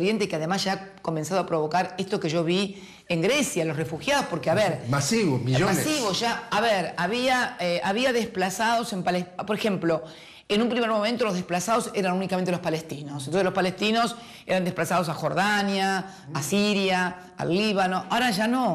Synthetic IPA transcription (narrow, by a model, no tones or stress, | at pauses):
ɾjent̪̬ekeaðemaszʒako̞mẽnsaðoapɾoβo̞kaɾest̪okeʒo̞β̞i | e̞ŋɡɾesjalo̞srefuxjaðo̞spo̞ɾkeaβeɾmasiβomiʒomaesiβosʒaːβeɾaβiaeaβiaðesplasaðo̞sempalepoɾexe̞mplo̞ | enumpɾime̞ɾmo̞mẽnt̪olo̞zðehplasað̞o̞seɾanunikament̪elo̞spalest̪inosent̪oselo̞spalest̪ino̞s | eɾand̪ehplasað̞o̞s̬axo̞ɾðanjaː | siɾja | a̰lːiβano̞ʔaoɾaʒano̞